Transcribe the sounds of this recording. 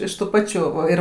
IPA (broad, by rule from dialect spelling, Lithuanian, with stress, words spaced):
ˈɪʃ tuː ˈpɑːt͡ʃʲuː oː ˈɪr